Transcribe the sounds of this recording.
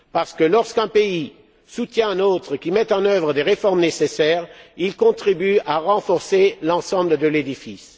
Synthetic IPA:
paʁsə̥kəlɔʁskɛ̃pei | sut̪jɛ̃ɛ̃not̪χəkʲimɛt̪ɑ̃nœvʁəd̪eʁefɔʁmnesesɛːʁilkɔ̃t̪χibyaʁɑ̃fɔʁselɑ̃sɑ̃bləd̪əled̪ifis

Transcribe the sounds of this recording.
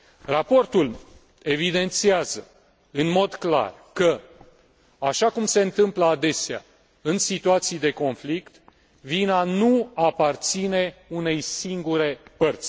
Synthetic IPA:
rapo̞rt̪ul | e̞vid̪e̞nt̪siazə | ɨnmo̞d̪kla̰r | kə | aʃakumse̞ɨnt̪ɨmpləad̪e̞sea̰ | ɨnsit̪uat̪sijd̪eko̞nflikt̪ | vinanuapart̪sine̞une̞jsiŋɡuɾe̞pərt̪sʲ

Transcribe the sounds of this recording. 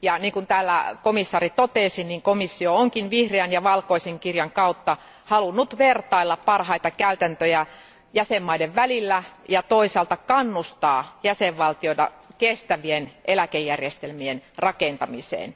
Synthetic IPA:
jɑniːŋkunt̪æːlːæ̰komisːɑːrit̪ot̪eˑsinniŋkomisːiooŋkinʋihreænjɑʋɑlkoiseŋkirjɑŋkɑut̪ːɑ | hɑlunːut̪ʋert̪ɑilːɑppɑrhɑit̪ɑkæyt̪ænt̪øjæ | jæsemːɑideʋʋælilːæjɑt̪oisɑːlt̪ɑkɑnːust̪ɑːjæseʋʋɑlt̪ioit̪ɑ̰ | kest̪æʋienʔelækejːærjest̪elmienrɑkent̪ɑmisḛːn

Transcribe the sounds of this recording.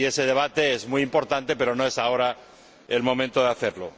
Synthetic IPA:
ie̞se̞ð̞e̞β̞at̪e̞ezmujimpo̞ɾt̪ant̪e̞pe̞ɾo̞no̞e̞sao̞ɾa | elmo̞mẽnt̪oðeaθe̞ɾlo

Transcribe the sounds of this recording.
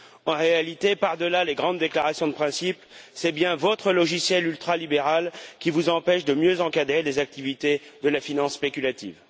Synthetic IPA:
ɑ̃ʁealit̪epaʁd̪əlaleɡʁɑ̃d̪d̪ːeklaʁasjɔ̃d̪əpχɛ̃sipsɛbjɛ̃vɔt̪χəlɔʒisjɛlylt̪χalibeʁalkʲivuzɑ̃pɛʃd̪əmjøzɑ̃kad̪ʁelezak̚t̪ivit̪ed̪əlafinɑ̃sːpekʲylat̪ḭːv

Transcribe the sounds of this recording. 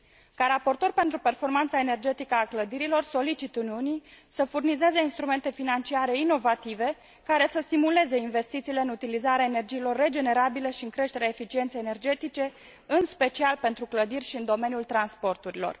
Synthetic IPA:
kaɾapo̞rt̪o̞rʲpent̪ɾupe̞rfo̞rmant̪sae̞ne̞rd͡ʒe̞t̪ikəakləd̪iɾilo̞rso̞lit͡ʃit̪uniunisəfurnize̞ze̞inst̪ɾume̞nt̪e̞finant͡ʃiaɾe̞ino̞vat̪ive̞ | kaɾe̞səst̪imule̞ze̞inve̞st̪it̪siːleɨnut̪ilizaɾeaene̞rd͡ʒiːlo̞rːe̞d͡ʒe̞ne̞ɾabiləʃiɨŋkɾe̞ʃt̪eɾeaefit͡ʃie̞nt̪sejene̞rd͡ʒe̞t̪it͡ʃe̞ | ɨnspe̞t͡ʃialpe̞nt̪ɾukləd̪irʲʃiɨnd̪o̞me̞njult̪ɾanspo̞rt̪uɾilo̞̰r

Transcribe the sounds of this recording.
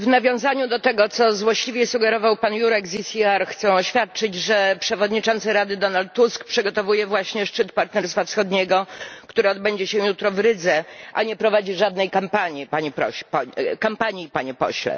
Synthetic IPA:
vnavʲjɔ̃w̃zaɲud̪ɔt̪ɛɡɔt̪sɔzwɔɕlʲivʲjɛsuɡɛɾɔvawpanjuɾɛkzisʲiaɾxt̪sɛ̃ɔɕfʲjat̪̚t͡ʂɘd͡ʑʐɛpʂɛvɔd̪ɲit͡ʂɔnt̪sɘɾad̪ɘd̪ɔnalt̪ːuskpʂɘɡɔt̪ɔvujɛvwaɕɲɛʂt͡ʂɘt̪paɾt̪nɛɾst̪fafsxɔd̪ɲɛɡɔkt̪uɾɘɔd̪̚bɛɲd͡ʑɛɕɛ̃jut̪ɾɔvɾɘd̪zɛʔaɲɛpɾɔvad͡ʑiʐad̪̚nɛjkampaɲipaɲɛpɾɔ̰ɕpɔkampaɲiːpaɲɛpɔ̰ɕlɛ̰

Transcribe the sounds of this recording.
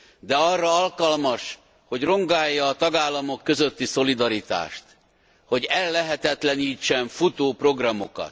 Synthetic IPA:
d̪ɛɒrːɒɒlkɒlmɒʃ | ho̞ɟro̞ŋɡaːjːɒːt̪ɒɡaːlːɒmo̞kːø̞zøt̪ːiso̞lid̪ɒɾit̪a̰ːʃt̪ | ho̞ɟɛlːɛɦɛt̪ɛt̪lɛniːt͡ʃːɛɱfut̪oːpro̞ɡrɒmo̞̰kɒ̰t̪

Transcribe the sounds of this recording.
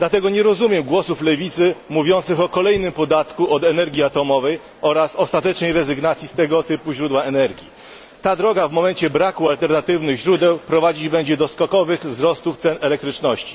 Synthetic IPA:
d̪lat̪ɛɡɔɲɛɾɔzumʲjɛmɡwɔsuflɛvʲit̪sɘmuvʲjɔnt̪sɘxɔkɔlɛjnɘmpɔd̪at̪kuʔɔd̪ɛnɛɾɡʲiat̪ɔmɔvɛj | ɔɾasɔst̪at̪ɛt͡ʂnɛjɾɛzɘɡnat̪sʲjist̪ɛɡɔt̪ɘpuʑɾud̪waɛnɛɾɡʲji | t̪ad̪ɾɔɡavmɔmɛɲt͡ɕɛbɾakualt̪ɛɾnat̪ɘvnɘɣʑɾud̪ɛwpɾɔvad͡ʑid͡ʑbɛɲd͡ʑɛd̪ɔskɔkɔvɘɣvzɾɔst̪uft̪sɛnɛlɛk̚t̪ɾɘt͡ʂnɔɕt͡ɕi̥

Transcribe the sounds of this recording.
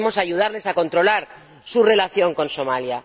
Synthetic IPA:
mo̞saʝuð̞aɾle̞sako̞nt̪ɾo̞laɾ | sure̞laθjo̞ŋko̞nso̞malja

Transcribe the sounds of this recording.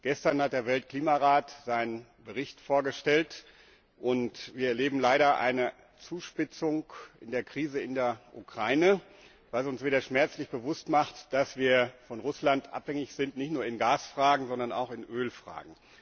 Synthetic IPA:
ɡ̥ɛstɐnhat̚d̥eːɐvɛltkl̥iːmaʁaːtz̥aɪnən | bəʁɪçtfoːɐɡəʃtɛlt | ʔʊntviːɐɛɐleːbm̩laɪɾɐʔa̰ɪnə | t͡suːʃpɪt͡sʊŋkʔɪ̰ndeːɐkʁ̥iːzəɪndeːɐʔukʁ̥aɪnə | vasʊnsv̥eːdɐʃmɛɐt͡slɪçb̥əvʊstmaχtd̥asv̥iːɐfɔnʁʊslantʔa̰phɛŋɪçz̥ɪntnɪçtnuːɐɪnɡaːsfʁ̥aːɡŋ̩zɔndɐna̰ʊxɪnʔøːlfʁ̥a̰ːɡŋ̩

